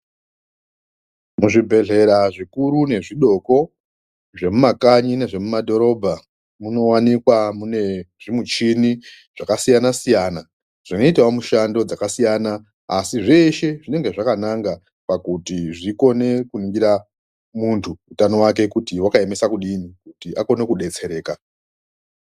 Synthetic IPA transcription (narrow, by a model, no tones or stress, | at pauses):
muʐibʱe̞ɮe̞ɾaʐikuɾune̞ʐiɗo̞ko̞ | ʐe̞mumakaɲine̞ʐe̞mumadʱo̞ɾo̞bʱa | muno̞wanikwamune̞ʐimut͡ʃini | ʐ̥akasijanasijana | ʐ̥ino̞itawamuʃando̞d͡zakasijanaː | siʐe̞ʃe̞ʐine̞ŋɡe̞ʐakanaŋɡa | pakutiʐiko̞ne̞kuniŋɡiɾa | muntʰuːtano̞wak̬e̞kutiwakae̞mesakuɗinikutiʔako̞ne̞kuɗe̞t͡se̞ɾe̞ːka